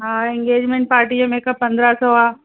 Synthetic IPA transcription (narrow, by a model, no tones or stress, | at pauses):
ɦaːɪ̃ŋɡeːd͡ʒmẽɳʈ̚paːɾʈiəmẽkapɐ̃nd̪ɾasɔaː